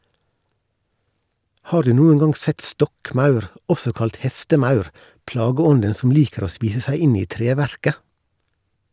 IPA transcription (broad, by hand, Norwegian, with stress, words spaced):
ˈhɑːɾ ˈdʉː ˈnuːən ˈɡɑŋ ˈsɛt ˈstɔkˌmɑʉɾ ˈɔsɔ ˈkɑlt ˈhɛstəˌmɑʉɾ ˈplɑːɡəˌɔndən sm̩ ˈliːkəɾ ˈoː ˈspiːsə ˈsæɪ ˈɪn ˈiː ˈtɾeːʋæɾkə